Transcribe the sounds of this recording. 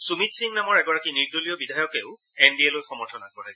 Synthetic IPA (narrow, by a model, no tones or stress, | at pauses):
sumitsiŋnamɔɹɛɡɔɹakiniɡ̚dolijɔbidʱajɔkeʊ | ɛnbielojxɔmɔɹtʰɔnakɔɹajs